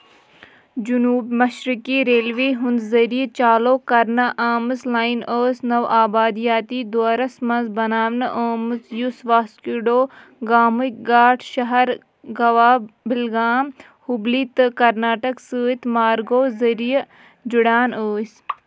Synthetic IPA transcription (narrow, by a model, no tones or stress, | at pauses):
d͡ʒunuːbmɐʃɾikiːɾeːlʋiːɦund̪zɐɾijət͡ʃaːloːkɐɾnɐʔaːmɨslaːjinəːsnɐwʔaːbaːd̪ijaːt̪iːd̪oaɾɐsmɐnzbɐnaːʋnɐʔəːmɨzjusʋaːskiɖoː | ɡaːmuk̚ɡaːʈʰʃɐɦɐɾ | ɡɐʋaːbɪlɡaːm | hubliːt̪ɨkɐɾnaːʈɐksəːit̪maːɾɡoːzɐɾijə | d͡ʒuɽaːnəːs